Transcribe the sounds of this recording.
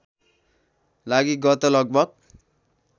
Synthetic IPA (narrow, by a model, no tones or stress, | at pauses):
laɡiɡʌt̪ʌlʌɡ̚bʱʌɡ̚